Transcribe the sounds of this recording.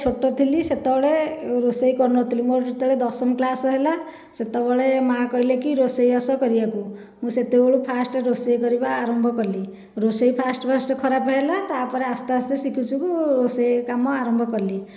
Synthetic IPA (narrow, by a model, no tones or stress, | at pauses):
t͡ʃʰoʈːɔt̪ʰiliset̪ɔbɔɭeɾosejkɔɾnɔt̪ʰilimoɾʈit̪ɔɭed̪ɔsɔmklasɔɦela | set̪ɔbɔɭemakɔɦilekiɾosɔjɔsɔkɔɾibaku | mũset̪eoɭupʰasʈɔɾosɔjkɔɾibaːɾɔmbʱɔkɔɾli | ɾosɔjpʰasʈɔpʰasʈɔkʰɔɾapɦelat̪apɔɾeast̪asesikʰut͡ʃʰukuɾosɔjkamɔaɾɔmbʱɔkɔɾli